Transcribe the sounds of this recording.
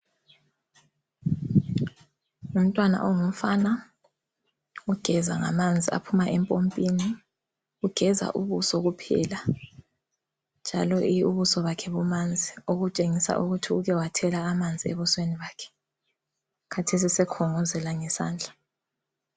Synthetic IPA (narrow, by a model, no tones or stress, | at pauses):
um̩tʼwana̰ʔɔŋum̩fana | uɡ̥ʱɛzaŋa̰mand͡zʱia̰pʰumaʔɛmpʼompʼini | uɡ̥ʱɛza̰ʔuβusɔɣupʰɛ̰la | nd͡ʒʱalɔʔiuβusɔβakʰɛβumand͡zʱioɣut͡ʃʼeŋisa̰ʔuɣutʰiuɣɛwatʰɛlaːmand͡zʱiḛβusweniβaːkʰɛ̥ | kʰatʰes̬isɛkʰɔŋɔzɛlaŋɛsa̰ːnd͡ɮʱa